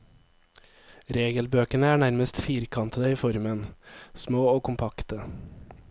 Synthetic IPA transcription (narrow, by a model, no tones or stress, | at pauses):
ɾeːɡəlbøːkənəæːɳæɾməst̪fiːɾkʰɑnt̪əd̪əiːfɔɾmənsmoːoːkʰʊmpʰɑkt̪ə